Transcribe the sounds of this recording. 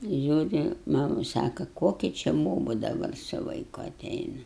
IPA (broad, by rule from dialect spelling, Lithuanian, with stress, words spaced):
ˈʒʲuːrʲɪ ˈmɑːmʊ ˈsɑːkɐ ˈkoːkʲɪ t͡ʃʲɪ ˈboːbʊ dɐˈbɐr sʊ ʋɐɪˈkʊ ɐˈtʲɛɪnɐ